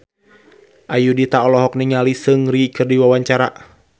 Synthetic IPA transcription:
ʔajudit̪aɔlɔɦɔk̚niŋalisɨŋɾikɨrdiwawaɲt͡ʃaɾa

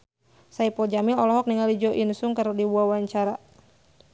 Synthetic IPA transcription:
saipɔd͡ʒamɪlɔlɔɦɔk̚niŋalid͡ʒɔʔinsuŋkəɾdiwuawaɲt͡ʃaɾa

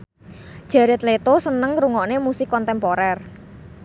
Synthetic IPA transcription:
ʒ̥a̤ɾɪt̪let̪osənəŋruŋɔʔnemusɪkːɔnt̪ɛmpoɾɛr

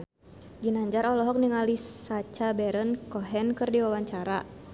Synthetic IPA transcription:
d͡ʒinaɲd͡ʒaɾɔlɔɦɔk̚niŋalisat͡ʃabɛɾənkɔɦɛnkɨrdiwawaɲt͡ʃaɾa

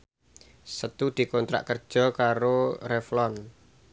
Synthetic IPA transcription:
sət̪ud̪̥i̤kɔnt̪ɾa̰ʔkərd̥ʒ̥ɔ̤kaɾoreflɔn

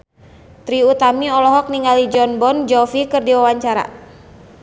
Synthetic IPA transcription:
t̪ɾiut̪amiɔlɔɦɔk̚niŋalid͡ʒɔnbɔnd͡ʒɔfikɨrdiwawaɲt͡ʃaɾa̰

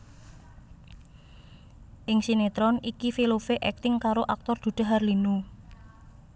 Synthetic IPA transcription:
ʔɪŋsinet̪ɾɔnikifilofeʔɛk̚t̪ɪŋkaɾoʔak̚t̪ɔrd̪̥ṳd̪̥a̤ɦarlinu

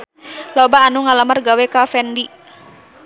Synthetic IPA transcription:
lobaːnuŋalamərɡawɛkafɛndi

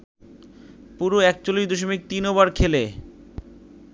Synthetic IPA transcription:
puɾoɛk̚t͡ɕolijd̪oʃ̬omik̚t̪inoβaɾkʰele

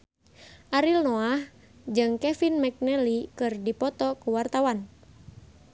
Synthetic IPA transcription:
ʔaɾilnoah | d͡ʒɨŋkɛfinmɛk̚nɛlikɨrdipɔt̪ɔkuwart̪awan

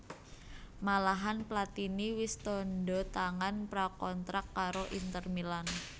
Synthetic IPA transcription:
malaɦanplat̪iniwɪst̪ɔndɔt̪aŋanpɾakɔnt̪ɾakːaɾoʔint̪ərmilan

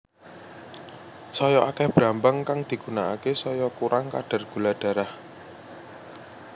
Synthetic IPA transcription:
sɔjɔʔakɛhb̥ɾambaŋkaŋd̪̥i̤ɡ̥ṳnaakesɔjɔkuɾʔaŋka̰ɖ̥a̤rɡ̥ṳlaɖ̥a̤ɾah

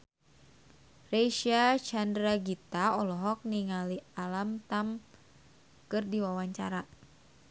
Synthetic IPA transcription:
reʃiat͡ʃandɾaɡit̪aɔlɔɦɔk̚niŋalialamt̪am | kɨrdiwawaɲt͡ʃa̰ɾa

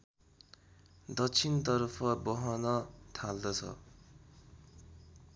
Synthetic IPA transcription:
d̪ʌt͡sʰint̪ʌrpʰʌbʌɦʌnʌt̪ʰald̪ʌt͡sʰʌ̰

